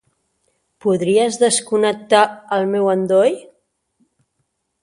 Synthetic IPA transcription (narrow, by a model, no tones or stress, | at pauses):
puðɾiəzðəskunək̚t̪aəlˠmɛwənd̪oj